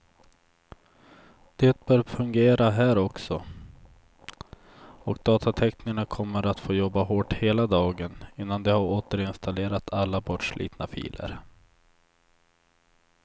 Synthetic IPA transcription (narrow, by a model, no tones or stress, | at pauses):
d̪̥eːt̪̚bœːɾfɵŋɡeːɾaɦæːɾɔksɔ | ɔk̚d̪ɑːt̪ʰat̪ʰɛknɪəɳakʰɔmːəɾat̪foːjɔbːaɦoːʈheːlad̪ɑːɡənɪnːand̪ɛhaɾoːt̪əɾɪnst̪aleːɾat̪ʰalːabɔʈʂɭḭːt̪nafḭːlə̰ɾ